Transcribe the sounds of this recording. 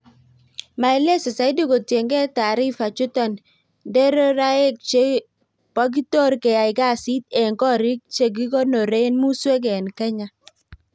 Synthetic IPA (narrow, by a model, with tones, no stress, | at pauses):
ma˨ɛ˨le˦se˨sa˨ɪ˦di˦ko˨tje˨ŋɡe˦ta˨ɾi˦fa˨t͡ʃʊ˦tɔ˦n | de˦ɾo˦ɾa˦e˦k̚t͡ʃe˦ | pa˦ɡ̬i˦to˦ɾke˨ja˨ɪ˨ɡa˦˨si˦t̪̚e˨ŋkɔ˦ɾi˦k̚t͡ʃe˨ɡ̬i˦kɔ˦no˨ɾe˦nmu˦swe˦ɡ̬e˨nka˦ɲa˦